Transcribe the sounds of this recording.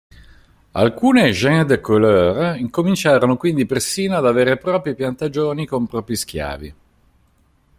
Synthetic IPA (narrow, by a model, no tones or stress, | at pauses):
a̰lkuːneʒɛŋd̪koløːɾiŋkomint͡ʃaːɾonokwind̪ipersiːnoad̪aveːɾepɾɔːpɾjipjant̪ad͡ʒoːnikompɾɔːpɾisk̟ja̰ːvḭ